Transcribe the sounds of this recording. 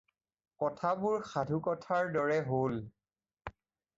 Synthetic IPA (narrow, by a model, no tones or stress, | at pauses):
kɔtʰabʊɹxadʱukɔtʰaɹdɔɹɛɦol